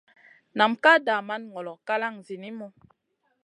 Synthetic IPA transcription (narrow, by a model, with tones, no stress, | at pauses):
na˨mka˦˨da˨ma˦nŋɔ˨lɔ˨ka˦la˦˨ŋzi˨ni˦mɔ˦